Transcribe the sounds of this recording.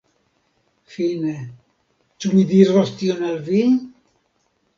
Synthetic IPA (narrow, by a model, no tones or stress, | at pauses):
fine | t͡ʃumid̪irɔst̪ionalvi